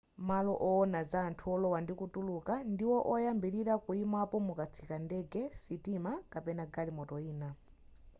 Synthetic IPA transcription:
malɔʔɔːnazaːntʰuɔlɔwandikutulukandiwɔʔɔjambiɾiɾakuimapɔmukat͡sʰikandɛɡɛsitimakapɛnaɡalimɔtɔiːna

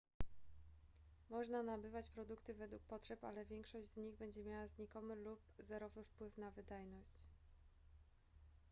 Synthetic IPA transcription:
mɔʐnanabɘvat͡ɕpɾɔd̪ukt̪ɘvɛd̪wuk̚pɔtʂɛpa̰lɛvʲjɛŋkʂɔʑd͡ʑzɲiɣbɛɲd͡ʑɛmʲjawazɲikɔmɘlupzɛɾɔvɘfpwɘfnavɘd̪ajnɔɕt͡ɕ

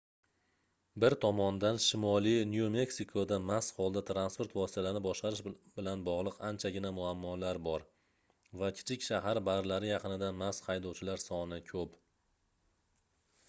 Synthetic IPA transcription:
bɪɾt̪ʰɒmɒnd̪anʃɪmɒlˠijnjome̞ksikʰod̪amashɒlˠd̪at̪ʰɾanspo̞ɾt̪vɒsɪ̥t̪ʰalaɾnɪbɒʃqɑɾɪʃb̥ɪlanbɒʁlˠɨqant͡ʃʰaɡʲɪnamʊamːɒlaɾbɒɾ | vakʲʰɪ̥t͡ʃʰɪkʲʃaɦaɾbaɾlaɾɪjɑqɨnɪd̪anmashajd̪ɒwt͡ʃʰɪlaɾsɒnɪkʲʰɵp

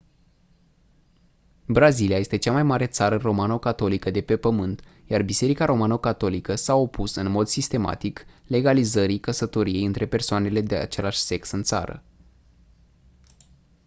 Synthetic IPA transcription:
bɾaziliaje̞st̪et͡ʃamajmaɾe̞t̪saɾəɨnro̞manokat̪o̞likəd̪e̞pe̞pəmɨnt̪jarbise̞ɾikaɾo̞manokat̪o̞likəsaopusɨnmo̞d̪sist̪e̞ma̰t̪ikle̞ɡalizəɾikəsət̪o̞ɾije̞jɨnt̪ɾe̞pe̞rsoane̞le̞d̪e̞a̰t͡ʃe̞laʃʲse̞ksɨnt̪sa̰ɾə̰

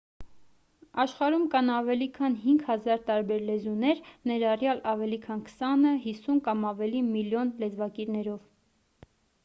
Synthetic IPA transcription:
ɑʃχɑɾumkɑnɑvɛlikʰɑnɦiŋɡhɑzɑɾt̪ɑɾbɛɾlɛzunɛɾnɛɾɑrjɑlɑvɛlikʰɑnkʰə̥sɑnəɦisunkɑmɑvɛlimiljɔnlɛd͡zvɑkiɾnɛɾɔv

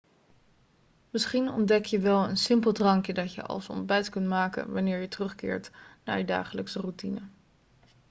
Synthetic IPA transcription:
mɪsχinɔ̰ndɛkjəʋɛlˠənsɪmpəl̩ˠdrɑŋkjədɑtjə̰ʔɑ̰lˠsɔ̰n̚bɛjtkɵntmaːkə̰nʋɑnɪːɹjətərɵχkɪ̰ːɹtna̰ːɹjəda̰ːχələksərutinə

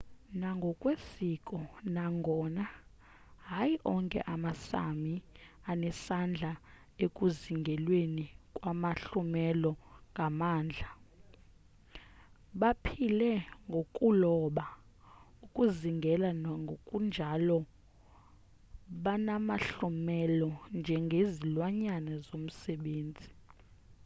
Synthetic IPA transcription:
naŋɡʱɔkʼwesikʼɔnaŋɡʱɔːna | ɦajiʔɔŋkʼɛ̰ʔamasa̰mianɛsand͡ɮʱa | ekʼuziŋɡʱɛlwenikʼwamaɬumɛlɔŋɡʱamaːnd͡ɮʱa | ɓapʰilɛŋɡʱokʼulɔɓa | ukʼuziŋɡʱɛlanŋɡʱokʼund͡ʒʱalɔ | ɓanamaɬumɛlɔnd͡ʒʱɛŋɡʱezilwaɲanazom̩sɛɓeːnd͡zʱi

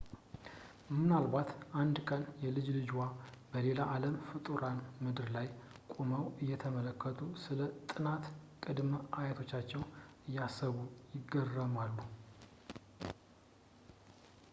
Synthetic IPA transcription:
mmɨnalβat̪ʔand̪kʼənjɛlɨd͡ʒlɨd͡ʒwabəle̞laʔaləmfɨt̪ʼuɾanmɨd̪ɨɾlaj | kʼoməwɨjːɛt̪ʰəmələkʰːət̪ʰusɨlət̪ʼɨnat̪kʼɨd̪məʔajət̪ʰo̞t͡ʃːat͡ʃːɛwɨjːasːəβujɪɡːərːəmalːu

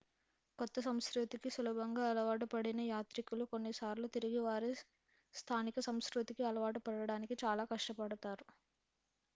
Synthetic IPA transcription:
kɔt̪ːɐsɐmskɾut̪ikisuluːbʱɐŋɡaːɐlɐʋaːʈ̬ɐpɐɽinɐjaːt̪ɾikuluko̞nːisaːɾloːt̪iɾiɡiʋaːɾi | st̪ʰaːnikɐsɐmskɾut̪ikiɐlɐʋaːʈɐpɐɽɐɽaːnikit͡ʃaːlaːkɐʂʈɐpɐɽɐt̪aːɾu

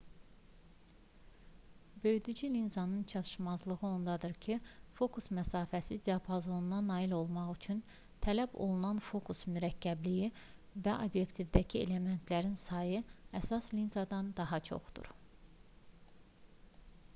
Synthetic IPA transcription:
bø̞jd̪yd͡ʒylinzɑnɯnt͡ʃʰɑt̪ʰɯ̥ʃmɑzlˠɯɣɯo̞nd̪ɑd̪ɯɾcʰifo̞kusmæsɑːfæsid̪eɑpʰozo̞nunɑnɑːilo̞lˠmɑχyt͡ʃʰyn | t̪ʰælæbo̞̰lˠunɑnfo̞kʰusmyɾæcʰːæbliji | væʔo̰bje̞kt̪ʰivd̪æcʰie̞le̞me̞nt̪ʰlæɾinsɑjɯæsɑslinzɑd̪ɑnd̪ɑɦɑt͡ʃʰo̞̰χd̪ṵɾ

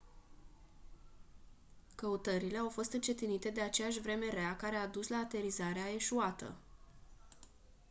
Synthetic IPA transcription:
kəut̪əɾile̞awfo̞st̪ɨnt͡ʃe̞t̪init̪e̞d̪e̞at͡ʃe̞jaʃʲvɾe̞me̞ɾeakaɾe̞aːd̪uslaːt̪e̞ɾizaɾeae̞ʃuat̪ə̰

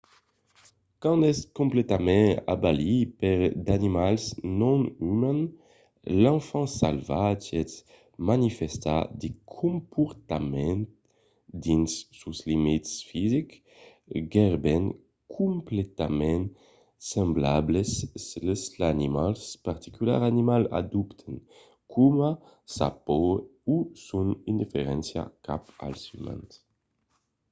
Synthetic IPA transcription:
kɑ̃nɛskɔ̃mplet̪amɛ̃a̰balipɛʁd̪animalsnɔ̃nymɛ̃n | lɑ̃fɑ̃sa̰lvad͡ʒɛs | manifɛst̪a̰d̪ekʰõmpɔɾt̪amɛ̃nt̪ | d̪insːuslimit̪sfizik | ɡɛʁben | kʰumplet̪amɛn | semblablesleslanimalspaʁt̪ikyla̰ʁanimala̰d̪upt̪ʰen | kʰuma | sa̰pousunind̪ifeʁɛnsja̰kapa̰lsyma̰nt̪

